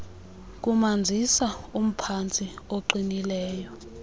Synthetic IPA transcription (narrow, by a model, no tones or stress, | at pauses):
k̬umand͡zʱisaum̩pʰant͡sʼioǃinilɛːjɔ